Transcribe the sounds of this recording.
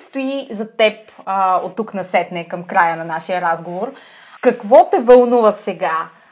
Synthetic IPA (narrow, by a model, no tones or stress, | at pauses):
st̪oizɐt̪ɛp | ot̪ːuknɐsɛt̪nɛkɐmkɾajənɐnaʃijəɾazɡovoɾ | kɐkvɔt̪ɛvɐlˠnuvɐsɛɡa